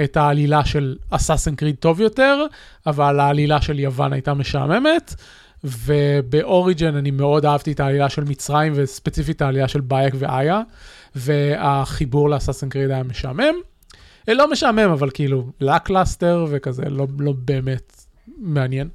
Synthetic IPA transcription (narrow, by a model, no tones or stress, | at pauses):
ethaːlilaʃe̞lasasenkʁid̚to̞vjo̞te̞ʁ | avalaːlilaʃe̞ljava̰na̰jtameʃa̰me̞me̞t | vebeʔo̞ʁid͡ʒenanime̞o̞daavtietaːlilaʃe̞lmit͡sʁaimvespet͡sifitaːlilaʃe̞lbajekveʔaja | veaχibuʁleasasenkʁidajame̞ʃa̰me̞m | lo̞meʃame̞mavalkiilulaklaste̞ʁvekazḛlo̞lo̞beːmet | meanjen